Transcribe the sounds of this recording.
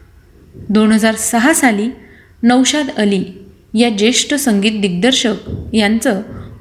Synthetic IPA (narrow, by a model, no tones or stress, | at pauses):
d̪onɦəd͡zaɾsəɦasaliː | nəwɕad̪əli | jad͡ʑeʂʈəsəŋɡiːt̪̚d̪iɡ̚d̪əɾɕəkjant͡sə